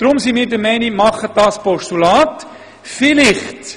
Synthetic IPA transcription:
d̥ɾʊmsimiːɾdəmɛɪnimɑχəd̥ɑːspɔʃtulɑːt | fɪlɪχt

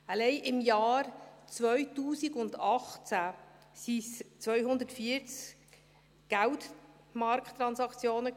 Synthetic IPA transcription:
əlɛɪʔɪmjɑːɾt͡sʋœʏtuːsiɡʊndɑχt͡sæ | sist͡sʋœʏɦʊnd̪ətfiət͡s | ɡ̥ælt | mɑɾkt̪ːɾɑnsɑkt͡sjoːnə

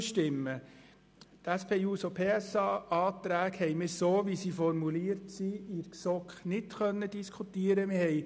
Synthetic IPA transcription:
ʃtɪmːə | t̪æspʰeːuːsopʰeːɛsɑːɑːt̪ɾæːkhɛɪmɪɾsoːʋisiːfɔɾmuliːəɾtsiːɪɾksɔkχnɪtkœnːəd̥̪iskʰut̪iːəɾəmɪhɛɪ

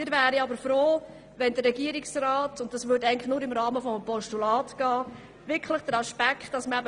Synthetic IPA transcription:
mɪːɾvæːɾəɑbəɾfɾoː | ʋɛndəːɛɡiəɾɪksraɑːtʊnt̚dɑsʋʏdæɪəntlɪχnʊːɾɪmɾɑːməfɔməpɔʃtulɑːtɡ̥ɑː | ʋɪkʰləχd̥əɾɑʃpækχtd̥ɑsməæbə

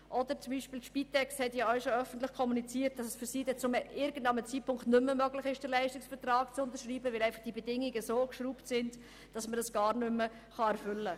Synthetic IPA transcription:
ʔɔdəɾt͡sʊmbiːʃpiːlʃpitʰɛksthɛtjɑœʊʃoœfəntlɪχkʰɔmunit͡siːt̚d̥ɑsɛsfyɾsiːdɛt͡sʊmʔɪɾɡən̩dɑmət͡siːt̚pʰʊŋktnʏmːəmœɡlɪχɪʃd̥əɾlɛɪʃtɪksb̥ɛtrɑːkt͡sʊntəɾʃriːbəvɪlæɪfɑχd̥ibɛdɪŋiɡəsoːkʃruːptsɪnd | d̥ɑsmədəsɡ̥ɑːɾnʏmə | χɑɛɾfʏlːə

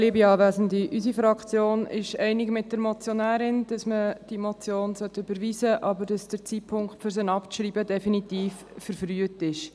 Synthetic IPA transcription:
liəbiɑːvæːzən̩diʔysifɾɑkt͡sjoːnɪ̰ʃɛɪnɪkmɪt̚d̥əɾmɔt͡sjonæːɾɪnd̥ɑsməd̥imot͡sjoːnsœtːøbəɾʋiːzəʔɑbəɾd̥ɑsd̥əɾt͡sitpʰʊŋkχtføɾsənɑpʃɾiːbədɛfinitiːf | fəɾfryətɪʃ

